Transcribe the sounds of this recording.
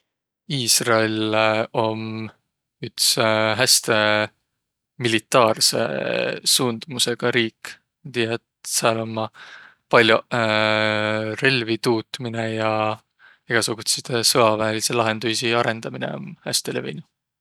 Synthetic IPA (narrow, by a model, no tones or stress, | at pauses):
iːsrɑeleo̞m | yt̪sɦæst̪e̞ | milit̪ˑːɑːrse̞̰suːnd̪̥muse̞ɡ̥ɑɾiːk | mɑt̪ijɑet̪sɑlomːɑ | pɑlʲju | re̞lvit̪uːt̪mine̞jɑ | eɡ̥ɑsuɡ̥ut̪sit̪esɤɑvæːliselɑɦe̞nd̪̥ujsiɑɾe̞nd̪ɑminḛo̰mhæst̪elevḛjnu